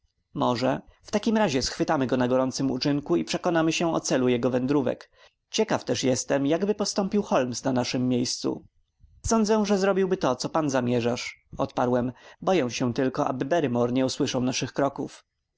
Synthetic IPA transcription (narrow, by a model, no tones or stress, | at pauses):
mɔʐɛft̪akʲimɾaʑɛsxfɘt̪amɘɡɔnaɡɔɾɔnt̪sɘmṵt͡ʂɘŋkuipʂɛkɔnamɘɕɛɔ̰t̪sɛlujɛɡɔvɛnd̪ɾuvɛ̰k | t͡ɕɛkaft̪ɛʂjɛst̪ɛmjaɡbɘpɔst̪ɔmpʲiwxɔlmsnanaʂɘmːjejst̪sṵ | sɔnd̪zɛ̃w̃ʐɛzɾɔbʲiwbɘt̪ɔt̪sɔpanzamʲjɛʐaʂɔt̪paɾwɛmbɔjɛ̃w̃ɕɛ̃t̪ɘlkɔʔa̰bɘbɛɾɘmɔɾɲɛuswɘʂawnaʂɘxkɾɔkuf